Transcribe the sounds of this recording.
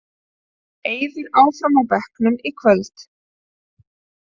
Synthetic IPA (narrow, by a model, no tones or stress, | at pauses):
eːjðɪɾaːwfɾamapɛhknʏmikʰvœlt̪